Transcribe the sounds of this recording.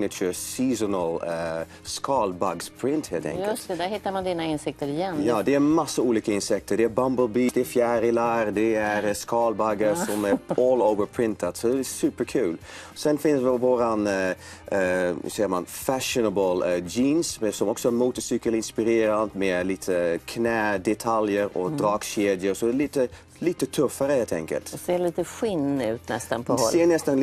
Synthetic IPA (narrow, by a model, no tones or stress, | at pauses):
nɪt͡ʃəsiːsɔnəl | skʰɑːlbɑɡspʰɹɪnt̪heːlt̪ʰɛ̰ŋkəd̪æhɪt̪ːəɾmɑnd̪iːnəɪnsɪk̚t̪əɾɪjɛnːjɑːd̪ɛæmɑsːəuːliːkəɪnsɛk̚t̪ʰəɖ̪ɛæbɑmbəlbiːd̪ɛæfjæːɾɪlɑɾd̪ɛæɾskɑːlbɑɡəɾsɔmæʔɔːloʊvəpʰɹɪnt̪ʰəd̪sɔd̪ɛɛsʉːpəɾkʰʉːl | sɛnfɪnəsʋɪʋoːɾan | sɛːəma̰nfæʃənəbəld͡ʒiːnsmɛsɔmɔksɔæɾmuːt̪əsʏkəlɪnspɪɾeːɾand̪mɛliːt̪ʰəkʰnɛːd̪ɛt̪ʰaljəɾɔ̰d̪ɾɑːkʃeːd̪jəɾsɔd̪ɛliːt̪ə | liːt̪ət̪ʰɵfːəɾəheːlt̪ʰɛ̰ŋkə̰lt̪seːliːt̪əɧɪnʉːt̪nɛst̪ənpʰɔeːnɛst̪ən